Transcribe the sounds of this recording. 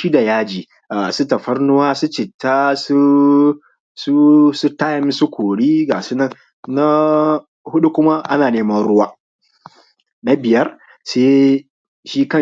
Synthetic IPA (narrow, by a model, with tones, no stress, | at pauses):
ʃi˦da˨jaː˦d͡ʒiː˨ | ʔa˨su˦tɐ˨ɸɐ˦rnʊ˦waː˦su˦t͡ʃɪ˨tːaː˦su˦ | su˦su˦taː˦jɐ˨˦m˦su˦kʷʰoː˨ɽiː˦ɡaː˨si˦nɐ˦˨n | na˦ | hʊ˦ɗu˦kʷʊ˦ma˦ʔa˦naː˨neː˦mɐ˦nɽʊ˦waː˦ | na˦bɪ˨jɐ˦r | seː˦ | ʃiː˦kɐ˦˨